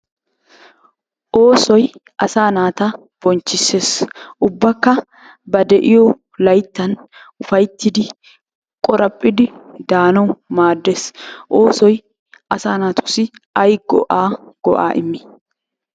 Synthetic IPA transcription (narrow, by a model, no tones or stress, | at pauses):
ʔo̞ːsɔjʔɐsaːnaːt̪ɐ | b̥ɔnt͡ʃːɪse̞ːsʔʊbːɐkːɐ | bɐd̪ɛʔɪjɔ | lɐjt̪ːɐnʔʊfɐjt̪ːɪd̪ɪ | kʼɔɾɐpʼːɪd̪ɪd̪aːnɐwmaːd̪ːeːsʔo̞ːsɔj | ɐsaːnaːt̪ʊ̥sɪɐjɡɔ̰ʔaːɡ̥ɔ̰ʔa̰ːʔɪmːɪ̥